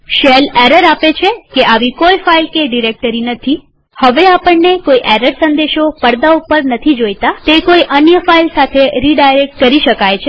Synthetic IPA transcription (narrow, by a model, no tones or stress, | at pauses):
ʃelɛɾəɾapet͡ʃʰekeʔaʋikojfailkeɖiɾek̚ʈəɾinət̪ʰi | həʋeapəɳːekoiʔɛɾəɾsə̃nd̪eʃopəɽd̪aupəɾnət̪ʰid͡ʒojt̪at̪ekoiʔənjəfailsat̪ʰeɾiɖajɾek̚ʈ̚kəɾiʃəkajt͡ʃʰe